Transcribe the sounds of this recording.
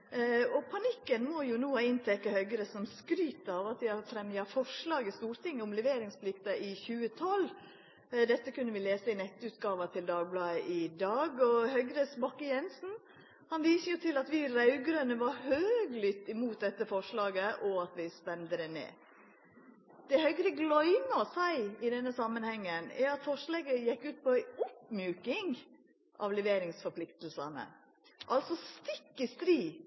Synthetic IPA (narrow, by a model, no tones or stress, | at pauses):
ɔpʰɑnɪkːənmɔjʊnuːɑɪnt̪ʰɛkːəhœʏɡɾəsɔmskɾyːt̪ɑʋɑt̪ʋɪhɑɾfɾɛmjɑfɔʂlɑːɡəst̪uːɾt̪ɪŋːəʊmlɛʋeːɾɪŋsplɪkt̪ɑʔɪçʉːət̪ʰɔl | d̪ɛt̪ːəkʉnːəʋɪleːsəɪnɛt̪ːʉːt̪ɡɑːʋɑt̪ʰɪld̪ɑːɡ̚blɑːəʔɪd̪ɑːɡɔhœʏɡɾəsbɑkːəjɛnsn̩ | hɑnʋiːsəjʊt̪ʰɪlɑt̪ʋɪɾɑʉɡɾənəʋɑɾhøːɡlʏt̪ːɪmuːt̪̚d̪ɛt̪ːəfɔʂɭɑːɡəʔɔɑt̪ʋɪspɛnd̪əd̪ɛnḛː | d̪̥ɛhœʏɡɾəɡlɔʏnɑsæɪɪd̪ɛnːəsɑmːənhɛŋːənɛ̰ɾɑt̪fɔʂleːɡəjɛkːʉːt̪̚pɔæɪɔpmjʉːkɪŋ | ʔɑ̰ʋlɛʋeːɾɪŋsfɔpʰlɪkt̪l̩sɑnə̰ | ʔɑlt̪sɔst̪ɪkːəst̪ɾiː